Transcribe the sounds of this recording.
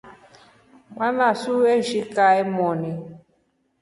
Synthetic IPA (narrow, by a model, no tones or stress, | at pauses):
manasueʒikaɛmɔni